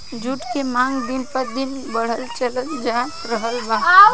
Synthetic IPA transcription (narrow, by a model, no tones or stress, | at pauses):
d͡ʒʱuʈkemãŋɡd̪inpəɾd̪in | bəɽ̤əlt͡ʃələnd͡ʒa | ɾəɦəlba